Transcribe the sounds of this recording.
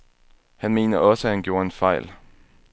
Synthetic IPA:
hænme̝̰ːnɐɒ̽səhænɡ̥jo̝ːɐenfɑ̈ɪl

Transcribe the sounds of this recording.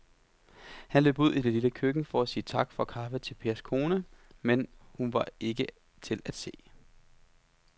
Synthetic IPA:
hænlø̰ːb̥uð̰ˠid̥e̝liləkʰøɡ̥n̩fɒ̽æsiːət͡sʰɑ̈ɡ̥fɒ̽kʰɑ̈fət͡sʰe̝lpʰe̝ɐskʰo̝ːnəmenhunʋɑ̈e̝ɡ̥ə | t͡sʰe̝læd̥se̝̰ː

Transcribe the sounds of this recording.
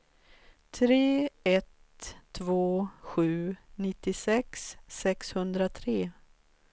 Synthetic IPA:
t̪ʰɾeːɛt̪ʰː | voːɧʉ̟ːnɪt̪ːɪsɛksːɛkshɵnd̪ɾat̪ʰɾeː

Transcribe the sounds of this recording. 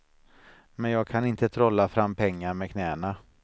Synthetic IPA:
mɛnjɑːɡ̚kʰanɪnt̪ət̪ʰɾɔlːafɾamːpʰɛŋːaɾmɛkʰnɛːəna

